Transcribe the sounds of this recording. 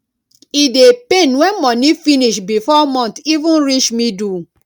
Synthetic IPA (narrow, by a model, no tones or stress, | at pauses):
idepenwɛmɔ̃nĩfiniʃbifɔmɔ̃ntivũnɾit͡ʃmĩdu